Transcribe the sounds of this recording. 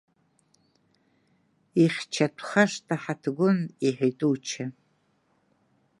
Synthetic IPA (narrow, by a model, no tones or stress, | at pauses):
iχʲt͡ʃʰatʷʰʼχaʂtʼaħatʰɡʷʊniħojtʼuwt͡ʃʰa